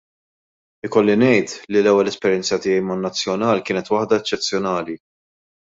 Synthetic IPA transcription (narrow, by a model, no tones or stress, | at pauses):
ɪkɔlːinɛjt̪lilɛwːɛlɛspɛɾjɛnt͡sɐt̪ɪːjɛjmɐnːɐt͡sːjɔnɐːlkɪːnɛt̪wɐħd̪ɐɛt͡ʃːɛt͡sːjɔnɐːli